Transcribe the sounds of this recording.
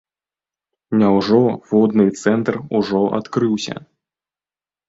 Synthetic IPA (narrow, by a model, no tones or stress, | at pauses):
nʲawʐɔvɔd̪nɨt̪sɛnt̪ruʐɔʔa̰t̪kɾɨwsʲɐ̰